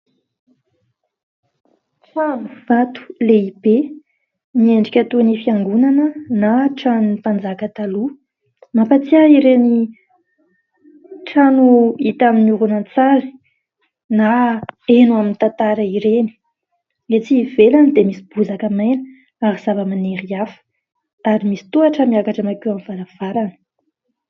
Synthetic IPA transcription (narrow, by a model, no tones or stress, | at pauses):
ʈ͡ʂanu̥vat̪u̥leibe | nieɳɖ͡ʐikʲət̪unifiaŋɡunanənaʈ͡ʂanunipand͡zakət̪alu | mapat͡siaiɾeni | ʈ͡ʂanuit̪aminuɾunant͡saɾi̥ | naenuaminit̪ant̪aɾəiɾeni̥ | et͡sivelanid̪emisib̥uzakəmajnə̥ | aɾiz̥avəmaneɾiafə̥ | aɾimisi̥t̪uaʈ͡ʂəmiakaʈ͡ʂamakuamvalav̥aɾanə̥